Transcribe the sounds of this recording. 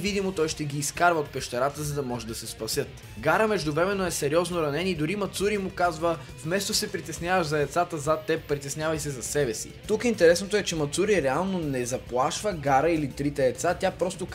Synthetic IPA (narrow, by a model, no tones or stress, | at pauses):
vid̪imot̪ɔjʃt̪ɛɡiːskaɾvəot̪pɛʃt̪ɛɾat̪əzɐd̪ɐmɔʒɛd̪ɐsɛspɐsʲjɤt̪ | ɡaɾəmɛʒd̪ʊvɾɛmɛnoɛsɛɾiɔznoɾɐnɛnid̪ʊɾimɐt̪suɾimʊkazvə | fmɛst̪osɛpɾit̪ɛsnjavəʃzɐɛt̪sat̪əzat̪ːɛpɾit̪ɛsnʲjavɐjsɛzɐsɛbɛsḭt̪ukint̪ɛɾɛsnot̪oɛt͡ʃɛmɐt̪suɾiɾɛalˠnonɛzɐplˠaʃvəɡaɾəilit̪ɾit̪ɛːt̪sat̪ʲapɾɔst̪ok